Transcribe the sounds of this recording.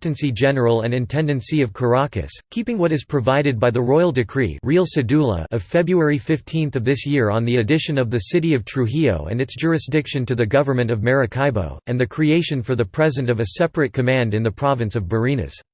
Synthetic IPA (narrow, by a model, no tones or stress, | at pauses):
tɨ̃nsid͡ʒɛnə˞l̩ˠə̃nɨ̃ntʰɛ̃ndɨ̃nsiʌv̥kʰə˞ɑkɨ̰skʰipɪ̃ŋwʌɾɨz̥pʰɹ̥ɨvaɪɾɨd̚baɪðɨɹɔɪl̩ˠdɨkʰɹ̥ḭɹilˠsɨdulˠə̰ɨv̥fɛbɹuɛɹifɪftʰĩnθʌvðɪsjɪɹə̃nðiɨdɪʃɨ̃nʌvðɨsɪɾiʌv̥tʰɹ̥ʉɦio̰ʊɨ̰̃nɨtsd̥ʒ̥ʊɹɨsd̥ɪkʃɨ̃ntɨðɨɡʌvə˞mɨ̃ñtʌvmɛɹɨkʰaɪbo̰ʊɨ̃nðɨkʰɹ̥ieɪʃɨ̃nfə˞ðɨpʰɹ̥ɛzɨ̃ntʌvɨsɛpɹɨt̚kʰɨmæ̃ndɨ̃nðɨpʰɹ̥ɑvɨ̃nsʌvbə˞ĩnɨ̰s